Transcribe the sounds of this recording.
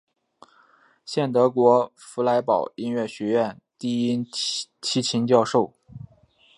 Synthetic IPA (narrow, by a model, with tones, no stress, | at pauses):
ɕjɛ˥˩nt̪ɤ˧˥kwɔ˧˥ | fu˧˥la˧˥ɪpɑ˨˩ʊi˥nɥɛ˥˩ɕɥɛ˧˥ɥɛ˥˩˧n | t̪i˥˩i˥nt͡ɕʰi˥t͡ɕʰi˧˥ŋt͡ɕjɑ˥˧ʊʂo˥˩ʊ